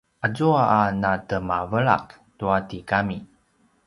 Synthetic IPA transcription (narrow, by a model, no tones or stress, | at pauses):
ʔazuaːnatəmavəɭa̰k | tuatikami